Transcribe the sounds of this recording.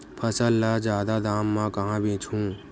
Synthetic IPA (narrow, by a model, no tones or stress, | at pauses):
pʰəsəlːad͡ʒjaːd̪ad̪aːmːãkɐɦãbʱĩːt͡ʃʰũː